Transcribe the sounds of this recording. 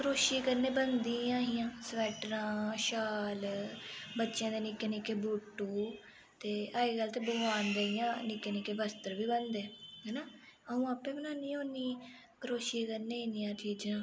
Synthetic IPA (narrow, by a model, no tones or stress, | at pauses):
kəɾoːʃeːkəɾneːbənd̪iːãːɦijãːsʋɛːʈɾãːʃaːl | bətːʃãːd̪eːnɪkeːnɪkeːbuːʈːuː | t̪eːaːiːɡəlt̪eːbəɡaːnd̪eijãːnɪkeːnɪːkeːbəst̪əɾʋiːbənd̪eːɦɛːnaː | əũːəːpẽːbənaːniːoːniː | kəɾoːʃeːkəɾneːnijãːt͡ʃiːd͡ʒãː